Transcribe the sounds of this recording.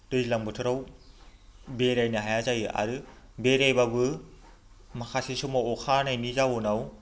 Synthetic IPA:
d̥ɯjilaŋbɯtʰɯɾaw | beɾajnɯɦajazajɯʔa̰ɾɯ | beɾajbabɯ | makʰasisumaɔkʰanajnizawunaw

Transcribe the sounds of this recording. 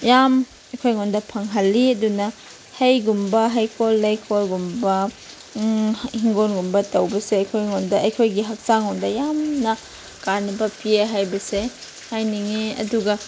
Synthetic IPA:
jam | ɐjkʰojŋondɐpʰɐŋɦɐlːiɐdunɐ | hɐjɡumbɐɦɐjkʰolːajkʰolɡumbɐ | hiŋɡonɡumbɐtɐwbɐseɐjkʰojŋondɐʔɐjkʰojɡiɦak̚saŋɔndɐjamnɐ | kanbɐpieɦajbɐse | hajniŋeɐ̰duɡɐ

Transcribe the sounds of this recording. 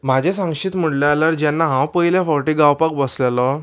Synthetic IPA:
mad͡ʑʱẽsãŋkɕiːt̪m̤əɽlaalaɾd͡ʑjanːaɦãwpəjljafɔɾʈiːɡawpakbəslalɔ

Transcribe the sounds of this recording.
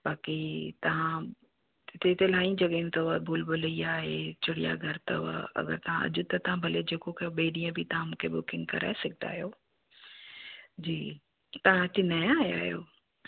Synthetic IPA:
ɓaːkit̪ɐʋ̤ã | ɪt̪et̪elaːĩd͡ʑɐɠə̃t̪ɐʊabʱoːlbʊlɐiaːɦet͡ɕʰʊɽija̰ɡʱɐɾt̪ɐʊa̰ɐ̰ɡə̰ɾt̪ɐʋ̤ã̰ʔɐ̰ʄʊt̪ɐt̪ɐʋãbʱɐled͡ʑeːkokɐjoɓeːɗiːə̃bʱɪt̪ɐʋ̤ãmũːkʰebʊkɪ̃ŋɡ̚kɐɾa̰ːesɐɡʱɪt̪a̰ːɦijoː | d͡ʑiː | t̪ɐʋ̤ãɪt̪ɪnɐj̃aːɦa̰ːɦijo̰ː

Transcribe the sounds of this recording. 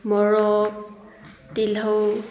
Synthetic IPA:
mɔɹɔk̚ | tilaw

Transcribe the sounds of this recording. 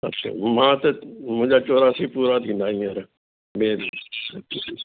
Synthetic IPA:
ətːʃʰa̰ːmãːt̪əmʊ̃d͡ʒaːt͡ʃoːɾaːsiːpuːɾaːd̪ĩːnd̪aːiːəɾ | mẽːɾ

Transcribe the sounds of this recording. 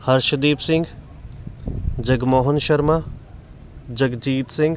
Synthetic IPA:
hɐɾʃɐd̪iːpsɪ̃ŋɡ | d͡ʒɐɡmɔːɦʊnʃɐɾma | d͡ʒɐɡd͡ʒiːt̪sɪ̃ŋɡ

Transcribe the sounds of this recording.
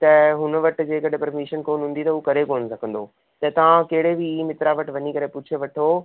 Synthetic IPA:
t̪ɐɦʊnəʋɐʈd͡ʑeːkɐɗpɐɾmiːʃənkoːnɦũːn̆d̪it̪ɐuːkɐɾekoːnsɐɡʱə̃n̆d̪o | t̪ɐt̪ɐʋ̤ãkɐɦɪɽebɪmɪt̪ɾaʋɐʈʋɐɲikɐɾepʊt͡ɕʰeʋɐʈʰo

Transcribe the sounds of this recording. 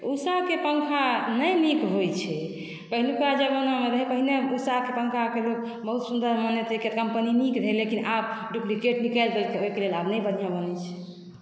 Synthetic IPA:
usakepəŋkʰanəjmikɦojt͡ʃʰɛ | pəɦilikad͡ʒəɡənameɾəɦipəɦineusakepə̃ŋkʰakelok | bəɦut̪sund̪əɾmənet̪eket̪kəmpənimikɾʱelekinʔab̚ɖuplikeʈnikəld̪elkeoikelelabnəjbən̤ijabənɛt͡ʃʰɛ̥

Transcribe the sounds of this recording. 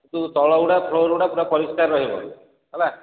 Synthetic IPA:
t̪ut̪ɔɭɔwɽapʰloɾuɽapuɾapɔɾiskaɾːɔɦibɔ̰ | aba

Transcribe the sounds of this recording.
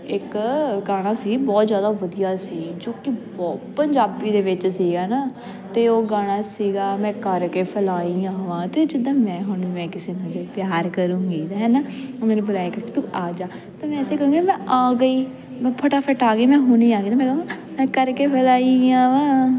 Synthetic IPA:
ɪkɡaːɽ̃aːsiːɡibɔːt̪zjaːd̪aːʋəd̪ijaːsiːɡd͡ʒõːkɪbɔːt̪pəɲd͡ʒaːbiːd̪eːʋɪt͡ʃsiːɡaːnaː | t̪eːoːɡaːɽ̃aːsiːɡaːmɛ̃ːkəɾkeːpʰəlaːiːãːʋãːt̪eːd͡ʒɪd̪ãːmɛ̃ːɦʊɳiːmɛ̃ːkɪseːnãːd͡ʒeːpjaːɾkəɾũːɡiːt̪ːɦɛːnaːoːmɛ̃ːnũːbəlaːeːkəkɪt̪ũːʔaːd͡ʒaː | t̪eːmɛ̃ːseːkəɾũːɡimɛ̃ːʔaːɡəiː | mːpʰəʈaːpʰəʈaːɡəiːmɛ̃ːɦʊniːaːɡiːt̪aːmɛ̃ːəʋãː | mɛ̃ːkəɾkeːpʰəlaːiːãːʋãː

